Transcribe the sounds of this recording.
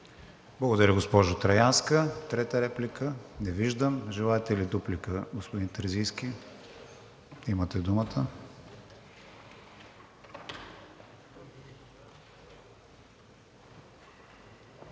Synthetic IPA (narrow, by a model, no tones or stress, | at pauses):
blˠɐɡod̪ɐɾʲəɡospɔʒʊt̪ɾɐjanskət̪ɾɛt̪əɾɛplikənɛviʒd̪əmʒɛlˠaɛt̪ɛlid̪uplikəɡospʊd̪int̪əɾzijskʲi | imət̪ɛd̪umət̪ʰə